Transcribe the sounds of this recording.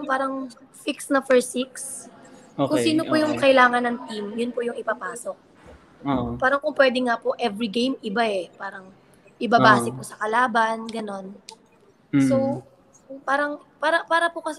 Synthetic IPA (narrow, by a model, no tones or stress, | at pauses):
ŋpaːɾɐŋ | fiksnɐfɛɹsiks | okʊŋsiːnopʊjʊŋkɐɪlaːŋɐnɐŋt̪imjʊnpʊjʊŋɪpɐpaːso̞k̚ | opaːɾɐŋkʊŋpwɛːd̪ɛŋapoʔɛvɾiɡejmʔɪbaɛpaːɾɐŋ | ʔɪbabaːsɛpʊsɐkɐlaːbɐnɡɐno̞n | so | paːɾɐŋpaːɾɐpaːɾɐpʊkɐs